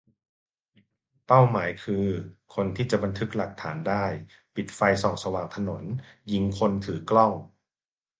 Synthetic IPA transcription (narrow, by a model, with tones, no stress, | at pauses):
pa˥˩wmaː˩˦jkʰɯː˧kʰo˧nt̪ʰiː˥˩t͡ɕa˨˩ba˧nt̪ʰɯ˦˥k̚la˨˩k̚t̪ʰaː˩˦ndaː˥˩j | pi˨˩t̪̚fa˧jsɔː˨˩ŋsa˧waː˨˩ŋt̪ʰa˧no˩˦n | ji˧ŋkʰo˧nt̪ʰɯː˩˦klɔ˥˩ŋ